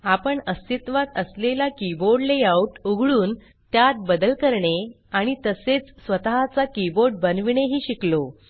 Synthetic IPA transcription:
apəɳəst̪it̪ʋat̪əslelakiboɖleauʈuɡʱɭuːn | t̪jat̪̚bəd̪əlkəɾɳe | aɽ̃it̪əset͡ssʋət̪aɦat͡sakiboɾɖ̚bənʋiɳeɦiːɕiklo

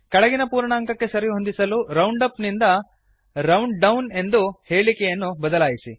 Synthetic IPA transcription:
kɐɭɐɡinɐpuːɾɳaːŋkɐkːe̞sɐɾijɦond̪isɐluɾɐwɳɖɐpnind̪ɐ | ɾɐwɳɖɖɐwne̞nd̪uhe̞ːɭikɛjɐnːubɐd̪ɐlaːjisḭ

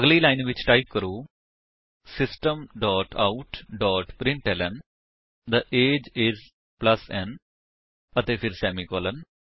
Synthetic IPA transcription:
əɡlilaɪnʋɪt͡ʃʈaɪp̚kəɾuː | sɪsʈə̃mɖɔːʈʰa̰ʊʈɖɔːʈpɾɪ̃ɳʈɛlə̃n | d̪əʔeːd͡ʒɪz | plɐsɛ̃n | ɐt̪epʰɪɾsɛːmikoːlən

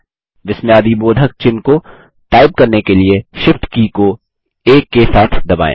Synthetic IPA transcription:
ʋɪsmjaːd̪iboːd̪ʱək̚t͡ʃɪnko | ʈaːɪb̚kɐɾnekelieʃɪfʈkiːko | eːkːesaːt̪ʰd̪ɐba̰ːḛ̃ː

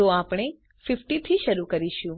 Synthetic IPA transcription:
oapɽ̃e | fɪfʈit̪ʰiʃəɾukəɾiʃũ

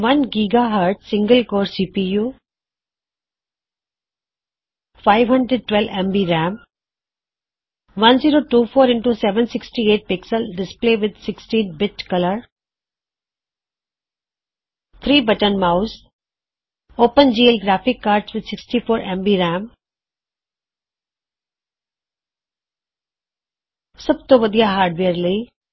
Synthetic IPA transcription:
ʋɐ̃nɡiːɡaɦaɾʈsɪ̃ŋɡəlkoːɾsiːpijuː | faɪʋɦɐ̃ɳɖɾeɖ̚ʈwɛlʋɛ̃mbiɾæ̃ːm | ʋɐ̃nziːɾoːʈuːfoːɾɪ̃ɳʈusɛʋə̃nsɪksʈieːʈ̚pɪksəlɖɪspleːʋɪd̪sɪksʈĩːnbɪt͡ʃkɐləɾ | t̪ʰɾiːbɐʈənmaʊs | oːpə̃nd͡ʒiːəlɡɾaːfɪkːaːɾʈsʋɪd̪sɪksʈifoːɾʔɛ̃mbiɾæ̃ːm | sɐb̚t̪oʋɐd̪ijaɦaːɾɖʋeəɾlii

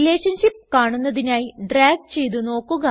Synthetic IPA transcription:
le̞ːʂɐnɕip̚ːkaːɳunːɐðinaːjiɖraːɡ̚t͡ɕe̞jt̪uno̞ːkːuɣɐ

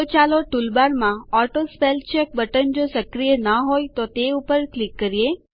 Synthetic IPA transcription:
ot͡ʃaloʈulbaɾmãɔʈospelt͡ʃek̚bəʈənd͡ʒosəkɾijənaɦojt̪ot̪eupəɾklikːəɾie

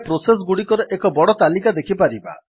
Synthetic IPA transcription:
pɾoses̬ɡuɽikɔɾɔʔekɔbɔɽɔt̪alikad̪ekʰipaɾiba̰

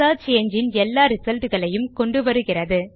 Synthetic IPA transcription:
aːt͡ʃeɐɲd͡ʒɪnɛlːaːɾɯsɐlt̪ɯɣɐɭɐjɯmkɔɳɖɯʋɐɾɯɣɪrɐðɯ

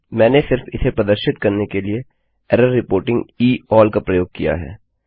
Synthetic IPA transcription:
mɛ̃ːnesɪɾfɪsepɾɐd̪əɾʃɪt̪kɐɾnekelie | ɛɾəɾːɪpoːɾʈɪ̃ŋɡiːɔːlkapɾɐjoːɡ̚kḭja̰ɦɛ̰ː

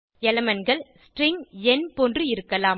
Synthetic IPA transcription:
ɛlɐmɐnɡɐɭsʈrɪŋɡɛnpɔndrɯɪɾɯkːɐlaːm

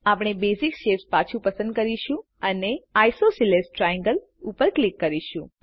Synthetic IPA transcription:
apɽ̃ebesikʃefspat͡ʃʰũpəsə̃nd̪̚kəɾiʃũ | əneajsosilesʈɾajə̃ŋɡəl | upəɾklikːəɾiʃũ

